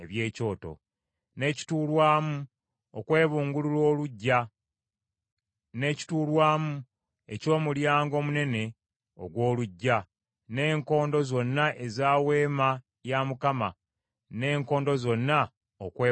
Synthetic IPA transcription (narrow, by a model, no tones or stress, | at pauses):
eβje̞ːco̞ːto̞̰ | ne̞ːci̥tuːlwaːmu | okwe̞ːβuːŋɡululo̞ːluɟːa | ne̞ci̥tuːlwaːmu | e̞co̞ːmuljaːŋɡo̞ːmune̞ne̞ | o̰ɡwo̞ːluɟːa | ne̞ːŋko̞ːndo̞zo̞nːaʔe̞zaːwe̞ːma | jamukama | ne̞ːŋko̞ːndo̞zo̞nːa | okweː